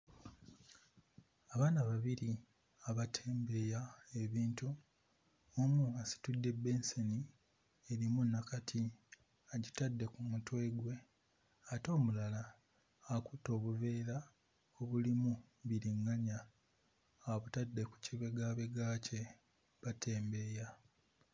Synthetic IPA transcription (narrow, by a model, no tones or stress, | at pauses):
aβaːnaβaβiɾi | aβatʰeːmbe̞jae̞βiːntu | omuasi̥tudːe̞bːe̞nseni | e̞ɾimunːakatʰi | aɟitadːe̞kumutwe̞ːɡwe̞ | ato̞ːmulalaː | kuto̞ːβuve̞ːɾa | oβulimu | βiɾiŋɡaɲa | aβutadːe̞ku̥ciβe̞ɡaβe̞ɡaːce̞ | βatʰe̞ːmbe̞ja